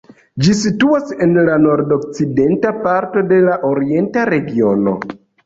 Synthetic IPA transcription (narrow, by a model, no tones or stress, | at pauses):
d͡ʒisituase̞nlano̞ɾdo̞k̚t͡side̞ntapaɾto̞de̞laʔoɾie̞ntaɾe̞ɡio̞no̞̰